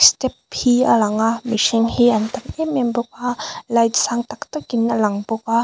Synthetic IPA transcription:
stɛphialaŋamisiŋhiʔɐnt̪amɛmɛmbɔk̚alajtsaŋt̪ak̚t̪ɔkinːalaŋbɔk̚a

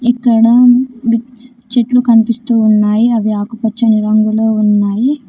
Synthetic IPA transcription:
ikːɐɽɐʋi | t͡ʃeʈlukɐnipist̪uːnːaːjiɐʋiaːkɐpɐt͡ʃːɐniɾɐŋɡuloːunːaːji

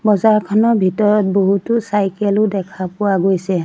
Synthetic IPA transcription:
bɔzaɹkʰɔnɔɹbʱitɔɹɔt̚boɦutʊsajkɛlʊdɛkʰapʊwaɡojsɛ

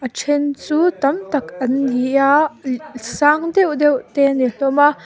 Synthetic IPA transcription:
ʔɐt͡ʃʰɛnt͡sut̪ɐmt̪ɐkɐndija | saŋd̪ɛwd̪ɛwt̪ɛniɬɔma

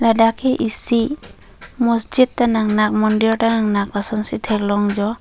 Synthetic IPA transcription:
ladakʰeʔisi | mɔsd͡ʒit̚tːanaŋnak̚mɔndiɔɾtanaŋnak̚basɔnsitʰek̚lɔŋd͡ʒɔ

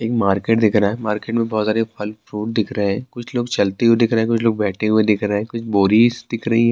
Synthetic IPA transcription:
eːkmaːɾkeːʈd̪ɪkʰɾaɦɛmaːɾkeːʈmẽbɔːt̪saːɾepʰɐlfɾuːʈ̚d̪ɪkʰɾəɦɛ̃ːkʊt͡ʃʰloːɡt͡ʃɐlt̪eɦued̪ɪkʰɾəɦɛ̃kʊt͡ʃʰloːɡ̚bɛːʈʰeɦued̪ɪkʰɾəɦɛ̃kʊt͡ʃʰboːɾiːsd̪̥ɪkʰɾɐɦiɦɛː

